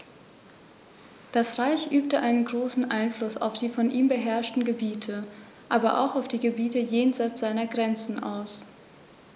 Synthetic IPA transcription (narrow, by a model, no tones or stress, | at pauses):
d̥asʁaɪçʔyːp̚təʔaɪnənɡʁoːsn̩ʔa̰ɪnflʊsa̰ʊfd̥iːfɔnʔiːmbəɦɛɐʃtn̩ɡəbiːtʰə | ʔaːbɐʔa̰ʊxaʊfd̥iːɡəbiːtəjeːnzaɪt͡sz̥aɪnɐɡʁɛnt͡sn̩ʔa̰ʊs